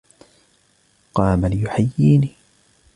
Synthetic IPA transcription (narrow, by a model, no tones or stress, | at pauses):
qɑːmalɪjʊħajːiːniː